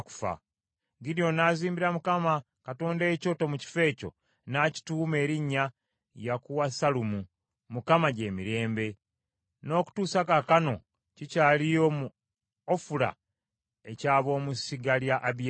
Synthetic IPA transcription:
ku̥fa̰ | ɡiɾijo̞naːziːmbiɾamukama | kato̞ːndaeco̞tomuci̥fe̞ːco̞̰ | naci̥tuːme̞ːɾiɲːa | jakuwasalumu | mukamaɟe̞ːmiɾe̞ːmbe̞ | no̞ːku̥tuːsakakano̞̰ | cicaːlijomu | ofula̰ | e̞caːβo̞ːmusiɡaljaʔːβ

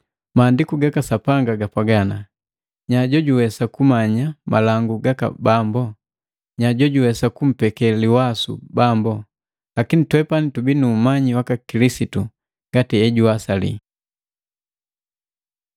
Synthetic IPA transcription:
maːndikuɡakasapaŋɡaɡapaɡana | ɲaɟɔɟuwɛsakumaɲama̰laŋɡuɡaka̰bambɔ | ɲaɟɔɟuwɛsakum̩pɛkɛliwasṵbambɔ | lakinitwɛpanitubinuːmaɲiwakakilisitu | ŋɡ̥atiɛɟuasalḭ

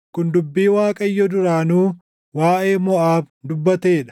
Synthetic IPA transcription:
kʊnd̪ʊbːiːwaːkʼɐɪjːɔd̪ʊɾaːnuː | waːʔe̞ːmɔʔaːb | d̪ʊbːɐt̪e̞ːᶑɐ̥

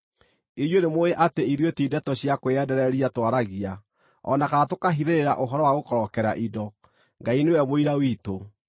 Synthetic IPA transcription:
ijonemoeʔateiɾwetiːdɛtɔɕjakoɛdɛɾɛɾiatwaɾaɣia | ɔ̰nakaatokaɦiðeɾeɾa̰ʔoɦɔɾɔwaɣokɔɾɔkɛɾa̰ʔidɔ | ŋɡainewɛmoiɾawito

